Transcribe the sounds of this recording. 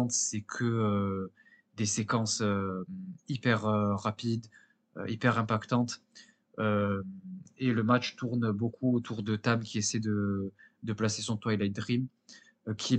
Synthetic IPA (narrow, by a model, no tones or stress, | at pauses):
ɑ̃t̪sɛkʰəø | d̪esekɑ̃sø | ipɛʁøʁapid̪ | ø̰ipɛʁɛ̃pakt̪ɑ̃t̪ | ømeləmat͡ʃt̪uʁnbokuot̪ʰuʁd̪ət̪ablkʲiesɛd̪əd̪əplasesɔ̃t̪wajlajd̪ʁim | kʲʰi